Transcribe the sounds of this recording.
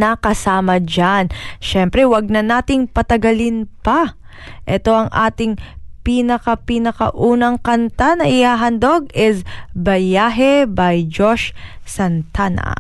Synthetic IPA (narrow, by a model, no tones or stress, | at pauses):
nɐkɐsaːmɐd͡ʒanʃɛmpɾɛwɐɡ̚nɐnaːt̪ɪŋpɐt̪ɐɡɐlɪnpɐ | ʔɛt̪o̞ʔɐŋʔa̰ːt̪ɪŋpiːnɐkɐpinɐkɐ̰ʔuːnɐŋkɐnt̪anɐʔɪhaːɦɐnd̪o̞ɡ̚ɪsbɐjaːɦɛbɐjd͡ʒoʃsɐnt̪anɐ̰